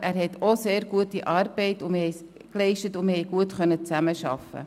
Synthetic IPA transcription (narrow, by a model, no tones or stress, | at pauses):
ʔæːɾɦɛtʰoseːɾɡuətiʔɑːɾb̥ɛɪtʊməhɛj | klɛɪʃtətʊməhɛɪjɡ̥uətχœnːət͡sæməʃɑ̰fə̰